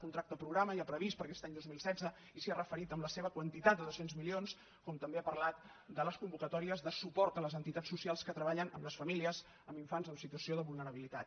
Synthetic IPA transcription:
kunt̪ɾak̚t̪əpɾuɣɾaməiapɾəβispəɾkɛst̪aɲd̪ozmilˠsɛd͡zə | isiarəfəɾit̪əmləseβəkwənt̪it̪at̪̚d̪əðosenzmilions | kɔmt̪əmbeapərlat̪ | d̪ələskumbukət̪ɔɾiəzðəsupɔɾt̪ələzənt̪it̪at͡ssːusialˠskət̪ɾəβaʎənə̰mləsfəmiliəz | əmiɱfanzəmsit̪uəsioðəβulˠnəɾəβilit̪at̪̚

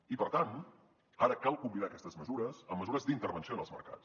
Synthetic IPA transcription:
ipəɾt̪an | aɾəkalˠkumbinaəkɛst̪əzməzuɾəsəmːəzuɾəzd̪int̪əɾβənsionəlˠmə̰ɾka̰t͡s

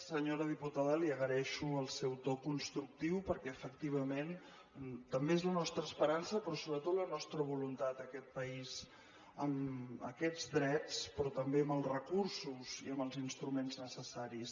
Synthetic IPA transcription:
səɲoɾəðiput̪aðəliəɣəɾɛʃuəlˠsɛwt̪okunst̪ɾuk̚t̪iwpəɾkɛəfəkt̪iβ̞əmen | t̪əmbeezlənɔst̪ɾəːspəɾansəpɾɔsoβɾət̪ot̪lənɔst̪ɾəβ̞ulunt̪at̪əkɛt̪̚pəiz | əmə̰kɛd͡zd̪ɾɛt͡spɾɔt̪əmbeəməlˠrəkursuz̥iəməlˠzinst̪ɾumenznəsəsaɾis

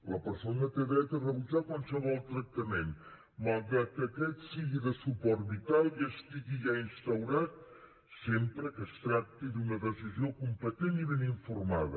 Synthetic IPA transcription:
ləpəɾsonət̪eðɾɛt̪ərəβud͡ʒakwalˠsəβɔlˠt̪ɾək̚t̪əmen | malˠɣɾat̪̚kəkɛt̪siɣiðəsupɔɾt̪̚βit̪alˠiəst̪iɣiʒainst̪əwɾat̪̚ | sempɾəkəst̪ɾak̚t̪id̪unəðəsiziokumpət̪eniβeniɱfurmaðə̰

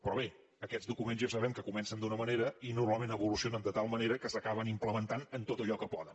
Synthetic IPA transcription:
pɾɔβ̞e | əkɛzd̪ukumenzjasəβɛmkəkumɛnsənd̪unəməneɾəinurmalˠmenəβulusionənd̪ət̪alˠməneɾəkəsəkaβ̞ənimpləmənt̪anənt̪ot̪əʎɔkəpɔðən

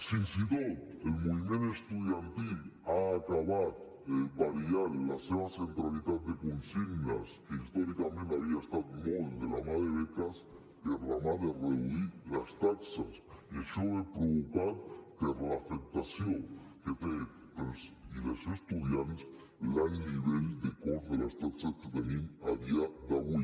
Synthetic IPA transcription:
sinsiðoelmoβimjenoest̪uðjant̪ilaːkaβað | ebaɾiaɾlaseβasent̪ɾaliðað̚d̪ekonsiɡna̰skeist̪oɾikamẽnt̪aβiaest̪aðmoβld̪elamaðɾeβekas | d̪eramaðereuiɾlast̪aksasieʃoβepɾokupaɾt̪eɾlaːfek̚t̪asjoŋket̪e | kelsilesest̪uðjals | laniβeld̪ekoɾðelast̪aksasket̪amina̰βiad̪awi

